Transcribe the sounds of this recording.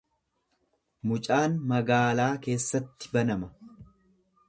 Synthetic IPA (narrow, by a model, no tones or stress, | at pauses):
mʊt͡ʃʼaːnmɐɡaːlaːke̞ːsːɐt̪ːɪ̥bɐnɐmɐ